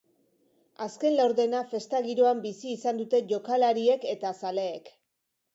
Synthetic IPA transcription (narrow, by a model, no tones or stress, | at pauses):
aske̞nlawɾðe̞nafe̞st̪aɣiɾoambisiːsand̪ut̪e̞ʝo̞kalaɾie̞ke̞t̪asaleːk